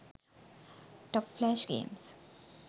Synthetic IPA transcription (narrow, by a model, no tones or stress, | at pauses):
ʈɔpflɛʃɡḛ̃ːms